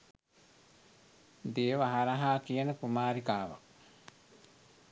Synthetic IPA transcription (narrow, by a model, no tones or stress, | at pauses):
d̪eːʋaɦaɾaɦaːkijənəkumaːɾikaːʋa̰